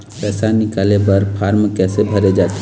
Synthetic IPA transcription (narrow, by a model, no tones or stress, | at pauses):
pɛsanɪkalebəɾpʰaɾmkɛsebʱəɾed͡ʒat̪